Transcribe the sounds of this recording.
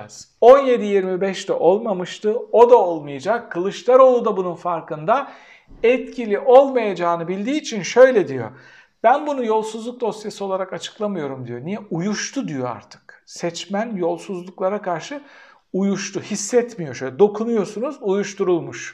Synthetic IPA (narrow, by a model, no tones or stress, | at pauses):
z̥ | o̞nje̞d̪ijiɾmibɛʃt̪ɛʔo̞lˠmamɯʃt̪ɯo̞d̪ao̞lˠmɯjad͡ʒakʰːɯlˠɯʃlˠaɾo̞lˠud̪abununfaɾkɯnd̪a | ɛt̪cʰilʲiʔo̞lˠmajad͡ʒaːnɯbilʲd̪iːt͡ʃʰinʃø̞jlʲɛd̪ijo̞̰ | b̥ænbunujo̞lˠsuzlˠuk̚d̪o̞st̪jasɯo̞lˠaɾakat͡ʃʰɯ̥klˠamɯjo̞ɾumd̪ijo̞nijɛujuʃt̪ʰud̪ijo̞a̰ɾt̪ʰɯ̥ksɛt͡ʃmænjo̞lˠsuzlˠuklˠaɾakʰaɾʃɯ | ujuʃt̪ʰuhisːɛt̪mijo̞ʃølʲɛd̪o̞kʰunujo̞sunuzujuʃt̪uɾulˠmuʃ